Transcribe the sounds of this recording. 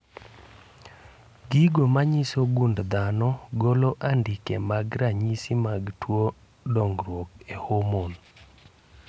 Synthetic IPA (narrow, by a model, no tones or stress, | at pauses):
ɡiɡomaɲisoɡundd̪anɔɡoloʔandikemaɡɾaɲisimaɡtwo | dɔŋɡɾwokehomon